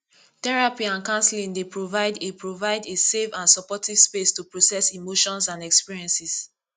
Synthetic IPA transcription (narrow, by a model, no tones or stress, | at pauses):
tɛɹapiãnkãnslĩŋdepɹovaɪdepɹovaɪdesevãnsɔpɔtiv̥spestupɹosɛsimoʃɔ̃nsãnɛkspiɹiɛ̃nsis